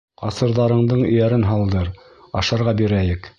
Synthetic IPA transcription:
qɑsɤ̆ɾðɑɾɤ̆ɴd̪ɤɴɵ̰̆jæɾɘnɦɑlˠd̪ɤɾ | ɑ̰ʃɑɾʁɑbiɾæjɘk

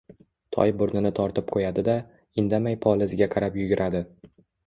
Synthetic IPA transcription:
t̪ʰɒ̰jbʊɾnɪnɪt̪ʰɒɾt̪ʰɪp̚qʰojad̪ɪd̪a | ɪnd̪amajpʰɒlˠɪzɪɡʲaqʰɑɾapjʊɡʲɪɾʔad̪ɪ

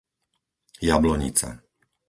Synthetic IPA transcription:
jablɔɲḭt͡sa̰

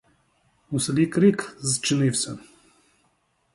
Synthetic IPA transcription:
muslʲikɾikzt͡ʃinifsən

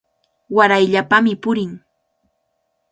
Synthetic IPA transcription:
waɾajʎapamɪpʊɾɪŋ

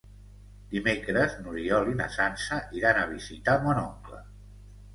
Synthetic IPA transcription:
d̪imekɾəznuɾiɔlinə̰sansəʔiɾanəβ̞izit̪amɔnɔŋklə̰

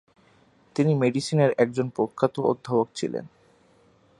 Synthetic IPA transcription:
t̪inimeɖisineɾɛk̚d͡ʑonpɾokʰːat̪oo̰d̪ʱːabok̚t͡ɕʰḭlḛn

